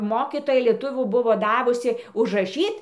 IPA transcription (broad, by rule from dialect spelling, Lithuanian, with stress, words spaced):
ˈmoːkʲiːtoːjɛ lʲiɛˈtʊʋʲuː ˈbʊʋoː ˈdɑːʋʊsʲɪ ʊʒrɐˈʃʲiːt